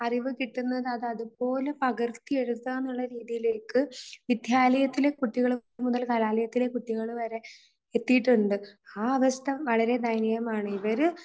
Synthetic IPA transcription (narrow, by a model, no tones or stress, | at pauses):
ɐriʋɨkiʈːunːɐðɨɐðɐðupo̞ːle̞pɐɣɐrt̪ːie̞ɻut̪ːaːnːuɭːɐɾiːðijile̞ːkːɨʋid̪ʱjaːlɐjɐt̪ːile̞kuʈːiɣɐɭemuðɐlkɐlaːlɐjɐt̪ːile̞kuʈːiɣɐɭuʋɐɾe̞ | et̪ːijʈːuɳɖɨaːɐʋɐst̪ʰɐʋɐɭɐɾe̞d̪ɐjnɐjɐmaːɳɨiʋɐɾɨ